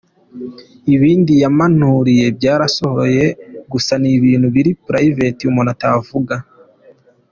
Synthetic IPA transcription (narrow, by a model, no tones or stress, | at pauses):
iβiːndijamanuɾije̞b̚ɟaːɾaso̞ho̞je̞ɡusaniβiːnhuβiɾipɾaive̞tiumonatavuɡa